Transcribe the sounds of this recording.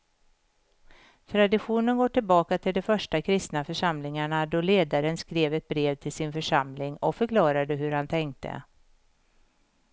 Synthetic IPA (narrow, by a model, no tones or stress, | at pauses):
t̪ʰɾad̪ɪɧuːnənɡoːʈɪlbɑːkat̪ʰɪld̪ɛfœʂʈakʰɾɪst̪nafœʂamlɪŋaɳad̪ɔleːd̪aɾənskɾeːvɛt̪̚bɾeːvt̪ʰɪlsɪnfœʂamlɪŋɔ̰kfœɾkʰlɑːɾad̪əɦɵɾhant̪ʰɛŋk̚t̪ə̰